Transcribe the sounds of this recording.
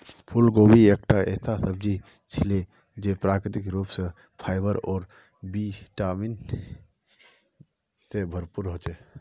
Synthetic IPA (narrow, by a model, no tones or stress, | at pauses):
pʰulɡobiekʈaʔesasəbd͡ʒi | t͡ʃʰile | d͡ʒepɾakɾit̪ikɾupsẽ | pʰaɪbəɾɔːɾ | biʈamin | sebʱəɾpuɾɦot͡ʃɛ